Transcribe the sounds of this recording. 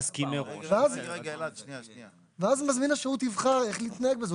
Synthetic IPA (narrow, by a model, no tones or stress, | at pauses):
skimeʁuveaz | veazmazminaʃeutivχaʁe̞χliːt̪nae̞k̚bezo